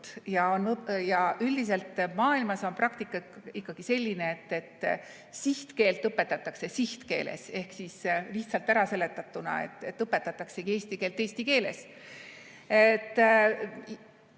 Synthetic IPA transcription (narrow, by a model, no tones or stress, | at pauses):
jɑonjɑyld̪is̬e̞lt̪ːˑmɑːilmɑso̞nprʔɑkt̪ikːˑɑikːɑɡ̥ise̞lʲːineet̪ːe̞t̪ː | siht̪ke̞ːlt̪ːɤpːe̞t̪ːˑɑt̪ːˑɑkse̞siht̪ke̞ːlʔḛse̞hksisliht̪sɑlt̪ːæɾɑse̞le̞t̪ːˑɑt̪ːˑunɑ̰ḛt̪ːˑe̞t̪ːɤpːˑe̞t̪ːˑɑt̪ːˑɑkse̞ɡie̞ːsʲt̪ike̞ːlt̪e̞ːsʲt̪ike̞ːle̞̰s | et̪ːˑ